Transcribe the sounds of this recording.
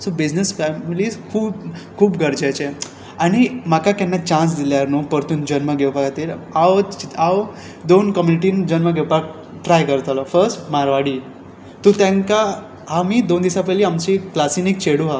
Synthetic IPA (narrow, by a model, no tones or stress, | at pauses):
sobid͡ʑnəsfɛmiliskʰuːbkʰuːbɡʱəɾd͡ʑat͡ɕe | aɽ̃imakakanːat͡ɕãns̬d̪iljaɾnupəɾt̪uːnd͡ʑənməɡʱewpaɡat̪iːlaʋaʋ | d̪onkəmjuniʈiːnd͡ʑənməɡʱewpak̚ | ʈɾajkəɾt̪alɔfəɾsʈmaɾʋaɽiː | t̪ut̪ãŋka | amiːd̪ond̪isapɛliːamt͡ɕiklasinik̚t͡ɕeɽuɦa